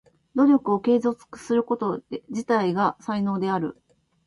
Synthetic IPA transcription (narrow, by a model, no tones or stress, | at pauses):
d̪o̞ɾʲo̞kɯ̟o̞ke̞ːzo̞t͡sɨ̥kɯ̥sɨɾɯ̟ko̞t̪o̞ʑit̪aiɡasaino̞ːd̪e̞aɾɯ̟̰